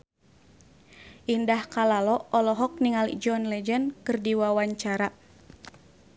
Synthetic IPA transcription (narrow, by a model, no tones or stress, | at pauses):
ʔindahkalalɔɔlɔɦɔk̚niŋalḭd͡ʒɔnlɛd͡ʒɛnkɨrdiwawaɲt͡ʃaɾa